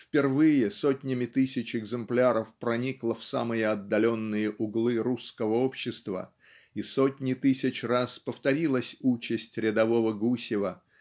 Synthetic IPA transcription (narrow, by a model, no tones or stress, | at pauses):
fpʲɪrvɨjɪsotʲnʲɪmʲɪt̪ɨsʲɪt͡ɕɪɡzɨmplʲaɾəfpɾɐnʲiklˠəfsamɨjəɐd̪ːɐlʲo̞nːɨjəʔʊɡlˠɨɾuskəvəo̞pɕːɪst̪və̰ | iso̞tʲnʲɪt̪ɨsʲɪt͡ɕraspəft̪ɐɾʲilˠəsʲut͡ɕɪsʲtʲɾʲɪd̪ɐvo̞vəɡusʲɪvə